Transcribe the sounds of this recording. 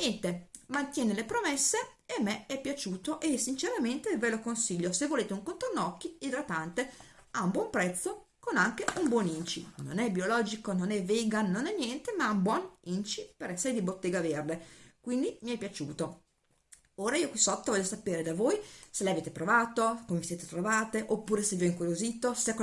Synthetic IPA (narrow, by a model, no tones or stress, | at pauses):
njɛnt̪emant̪jɛːnelepɾomesːeemːeɛpːjat͡ʃuːt̪oʔesːint͡ʃeɾament̪evelokonsiʎːosevːoleːt̪euŋkont̪ɾonːɔkːiilɾat̪ːant̪e | aumbwɔmpɾɛt̪sːo | konaŋk̟eumbwɔnint͡ʃḭno̰nɛbiolɔːd͡ʒikononɛvːeːɡanːonɛnːjɛnt̪emaumbwɔnint͡ʃipeɾɛsːeɾed̪ibot̪ːeːɡaverd̪ekwind̪imiɛjpjat͡ʃuːt̪o | oːɾaiːokwisɔt̪ːovɔʎːosapeːɾed̪avoːjselɛjaveːt̪epɾovaːt̪okomeviseːt̪et̪ɾovaːt̪eʔopːuːɾesevoiŋkuɾjozit̪oskː